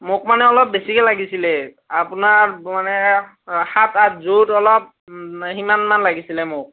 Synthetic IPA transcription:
mʊk̚manɛɔlɔp̚besikɛlaɡisilɛ | apʊnaɹmanɛ | hatatzutɔlɔp̚ | ximanmanlaɡisilɛmʊk̚

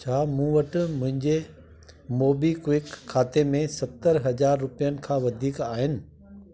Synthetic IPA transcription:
t͡ɕʰaːmũːʋɐʈɪ̆mʊ̃ɦɪ̃ɲd͡ʑe | moːbikwɪkʰːaːt̪emẽsɐt̪əɾɦɐd͡ʑaːɾːʊpijənɪ̆kʰãːʋɐd̪ʱiːkaːɦɪnɪ̆

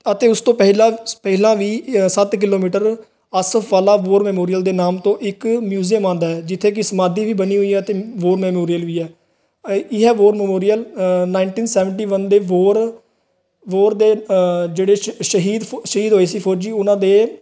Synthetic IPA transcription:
ət̪eːʊst̪õːpəɦlãːpəɦlãːʋiːsət̪k̬ɪloːmiːʈəɾ | əsəfʰʋaːlaːʋoːɾmɛːmoːɾijəld̪eːnaːmt̪õːʔɪkmjuːzijəmãːnd̪aːɦɛːd͡ʒɪt̪ʰːeːkɪsəmaːd̪iːʋiːbəniːɦʊiːɛːət̪eːʋoːɾmɛːmoːɾijəlʋiːɛː | ɪɦɛːʋoːɾmɛːmoːɾijəlnaːɪɳʈiːnsɛːʋəɳʈiːʋənd̪eːʋoːɾ | ʋoːɾd̪eːd͡ʒeːɽeːʃəɦiːd̪ʃəɦiːd̪ɦoːeːsiːpʰoːɾd͡ʒiːʊnãːd̪eː

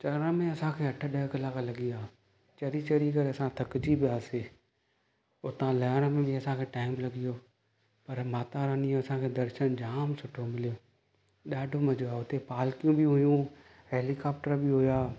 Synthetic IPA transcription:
t͡ʃɐɾə̃mẽɐsãkʰeːɐʈʰəɗɛkəlaːkalɐɡɪjaː | t͡ʃɐɾit͡ʃɐɾik̬ɐɾeɐsãt̪ʰɐkd͡ʒibʱiaːseː | ʊt̪ãlɛːnmẽbʱiɐsãkʰeʈaːɪmlɐɡɪjoː | pɐɾmaːt̪aɾãːnijoɐsãkʰeːd̪ɐɾʃənd͡ʒaːmsʊʈʰomɪlijoː | ɗaːɖʱomɐd͡ʒoaːʊt̪epaːlkijũbʱĩɦʊjũ | ɦeːlikaːpʈəɾbʱiɦʊjaː

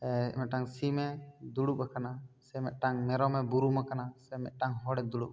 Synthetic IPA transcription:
ɛ̰mɛt̪̚ʈaŋsimɛd̪uɽupakanasɛmɛt̪̚ʈaŋmɛɾɔmɛbuɾumakanasɛmɛt̪̚ˀʈaŋɦɔɽɛd̪uɽuʔ̚

